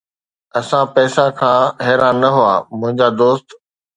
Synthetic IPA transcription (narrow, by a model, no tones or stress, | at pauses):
ɐsãpɛːsakʰãːɦɛːɾãːnːɐɦʊaːmʊ̃ɦɪ̃ɲd͡ʑaːd̪oːst̪